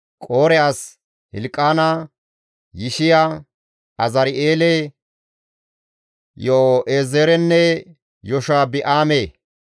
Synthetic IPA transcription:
kʼoːɾɛjas | hɪ̰lkʼːaːna | jɪʃɪjaː | ɐzɐɾeːlɛ | joʔeːzeːɾɛnːɛ | jɔʃaːbɪʔaːmeː

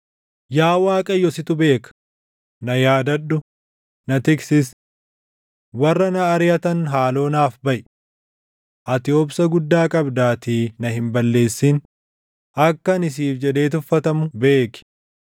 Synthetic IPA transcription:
jaːwaːkʼɐjːɔsɪt̪ʊbe̞ːkɐ̥ | nɐjaːd̪ɐɗːʊ | nɐt̪ɪksɪs | wɐrːɐnɐːɾɪjɐt̪ɐnɦaːlo̞ːnaːfbɐʔ | ʔɐt̪ɪoːpsɐɡʊd̪ːaːkʼɐbd̪aːt̪iːnɐɦɪmbɐlːe̞ːsːin | ʔɐkːɐnɪs̬iːfd͡ʒɛᶑ̪e̞ːt̪ʊfːɐt̪ɐmʊbe̞ːkɪ̥

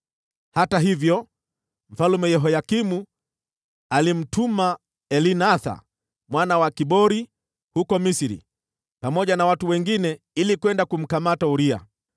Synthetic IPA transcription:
hataɦivjɔ | m̩falumɛjɛɦɔjakimu | alim̩tuma | ɛlinaθa̰ | mwanawakiɓɔɾi | hukɔmisiɾḭ | pamɔʄanawatuwɛŋɡinɛ | ilikwɛndakum̩kamatauɾia̰

